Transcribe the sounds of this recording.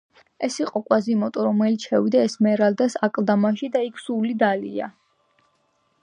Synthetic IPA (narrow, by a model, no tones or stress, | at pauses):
ɛsiqʼɔkʼwazimɔt̪ʼɔɾɔmɛlit̪sʰʃɛwid̪aɛsmɛɾald̪asakʼlˠd̪amaʃid̪aikʰsulid̪alḭa̰